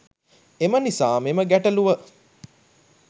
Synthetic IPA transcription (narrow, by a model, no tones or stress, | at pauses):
emənisaːmeməɡæʈəluʋə